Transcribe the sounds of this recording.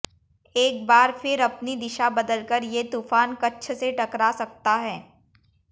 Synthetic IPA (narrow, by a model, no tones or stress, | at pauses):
eːk̚baːɾfɪɾɐpnid̪ɪʃabɐd̪əlkəɾjet̪uːfaːnkɐtːʃʰseʈɐkɾasɐk̚t̪aɦɛː